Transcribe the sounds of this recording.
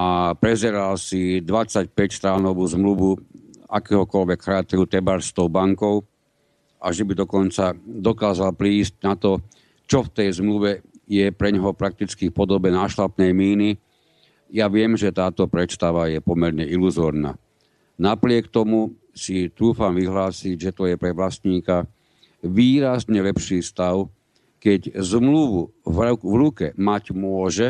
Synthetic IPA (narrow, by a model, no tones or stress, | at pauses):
apɾɛzɛɾalsid̪ʋat͡sacpɛcst̪ɾanɔʋuːzmluʋuakɛːɦɔkɔlʋɛkxɾaːt̪ɛɾut̪ɛbaɾst̪ɔʊbaŋkɔʊ | ʔaʒɛbid̪ɔkɔnt͡sad̪ɔkaːzalpɾiːsc̚nat̪ɔ | t͡ʃɔft̪ɛjzmluʋɛjɛpɾɛɲɦɔpɾak̚t̪it͡skifpɔd̪ɔbɛnaːʃlapnɛjmiːni | jaʋɪɛmʒɛt̪aːt̪ɔpɾɛt̪st̪aʋajɛpɔmɛɾɲɛiluzɔːɾna̰ː | napɾɪɛkt̪ɔmu | sit̪ɾuːfamʋiɦlaːsiɟʒɛt̪ɔjɛpɾɛʋlast̪ɲiːka | ʋiːɾazɲɛlɛpʃiːfst̪aʊ | kɛɟzmluʋu | vvɾukɛmaɟmʊɔʒɛ